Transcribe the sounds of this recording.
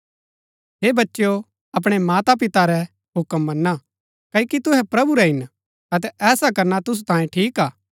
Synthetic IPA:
ɦeːbɐtːʃjo | ɐp̬ɽ̃emaːt̪apɪt̪aɾɛ | ɦʊkəmːɐnːa | kɐikit̪ʊɦɛpɾɐbuɾɛɦɪn | ɐt̪̬ɛʔɛːsakɐɾnat̪ʊs̬u̥t̪ãːjẽʈʰiːkaː

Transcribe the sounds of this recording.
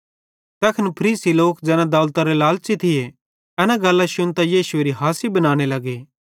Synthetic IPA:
t̪ɛkʰənpʰɐɾiːsiloːkd͡ʒɛːnãd̪aːlt̪aɾelaːlt͡ʃit̪ʰɪje | ɛnãɡɐlːaʃʊnt̪ajiːsʊeːɾiɦaːsibɐnaːɽ̃elɐɡeː

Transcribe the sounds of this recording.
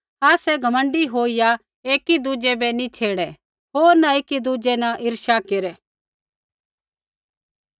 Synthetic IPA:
aːsɛɡʱɐmə̃ɳɖiɦoːija | eːkid̪ud͡ʒɛbɛnit͡ʃʰeːɽɛ | ɦoːɾnaeːkid̪ud͡ʒɛnaʔɪɾʃakeɾɛ

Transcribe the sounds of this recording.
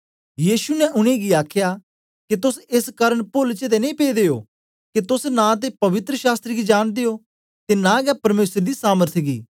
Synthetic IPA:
jiːʃunɛʔʊɽ̃ẽɡiaːkʰja | ket̪ʊsɪskəɾəɽpʊlt͡ʃed̪enĩːpeːd̪eːjoː | ket̪ʊsnãt̪̬epɐʋɪt̪ɾəʃaːst̪ɾəɡid͡ʒaːɽ̃d̪ejoː | t̪enãːɡɛpɐɾmeːsəɾd̪iːsaːməɾt̪ʰɡḭː

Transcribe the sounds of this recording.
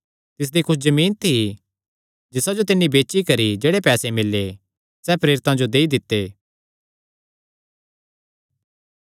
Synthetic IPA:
t̪ɪs̬d̪ikʰʊszɐmiːnt̪ʰi | d͡ʒɪsad͡ʒot̪ɪnːibeːʃikɐɾid͡ʒeːɽepɛːsemɪlːe | sɛːpɾeːɾɪt̪ãd͡ʒod̪eːid̪ɪt̪ːeː

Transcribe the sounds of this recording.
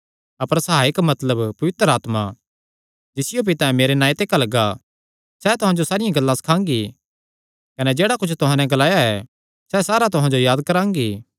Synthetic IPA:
ɐpəɾsɐɦaːɪkmɐt̪ləbpɐʋɪt̪ɾaːt̪ma | d͡ʒɪsɪjop̬ɪt̪ãːɛ̃meːɾenaːit̪ekɐlɐɡa | sɛt̪ʊɦãd͡ʒosaːɾɪjãɡɐlːãsɐ̥kʰãːŋɡi | kɐnɛd͡ʒeːɽakʊt͡ʃʰt̪ʊɦãnɛ̃ɡɐlaːjaɛ | sɛsaːɾat̪ʊɦãd͡ʒojaːd̪kɐɾãːŋɡiː

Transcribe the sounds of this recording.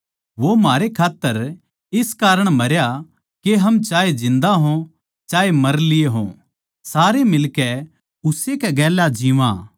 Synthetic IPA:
ʋomaːɾekʰaːt̪ːəɾ | ɪskaːɾəɽ̃mɐɾja | keɦɐmt͡ʃaːed͡ʒɪ̃nd̪aɦõ | t͡ʃaːemɐɾlɪeɦõ̰ | saːɾemɪlkɛ | ʊsekɛɡɛːlad͡ʒiʋã̰ː

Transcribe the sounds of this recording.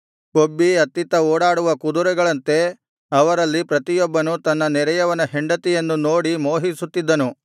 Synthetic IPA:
kobːiɐt̪ːit̪ɐɔːɽaːɽuʋɐkud̪uɾɛɡɐɭɐnt̪e̞ | ɐʋɐɾɐlːipɾɐt̪ijɔbːɐnut̪ɐnːɐnɛɾɐjɐʋɐnɐɦeɳɖɐt̪ijɐnːunoːɽimoːɦisut̪ːid̪ːɐnu

